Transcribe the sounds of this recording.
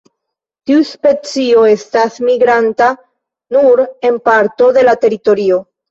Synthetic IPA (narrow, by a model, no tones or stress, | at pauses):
tiuspe̞t͡sio̞e̞stasmiɡɾanta | nuɾe̞npaɾto̞de̞late̞ɾito̞ɾio̞